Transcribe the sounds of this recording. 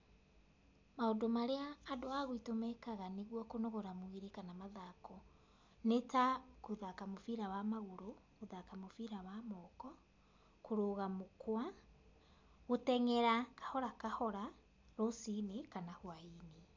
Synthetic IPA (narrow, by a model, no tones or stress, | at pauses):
maodomaɾeaːdoaɣoitomɛkaɣaneɣwɔkonoɣɔɾamwiɾekanamaðakɔ | netakoðakamofiɾawamaɣoɾoɣoðakamofiɾawamɔkɔ | koɾoːɣamokwa | ɣotɛŋɛɾakḁhɔɾakahɔɾa | ɾosinekanahwaini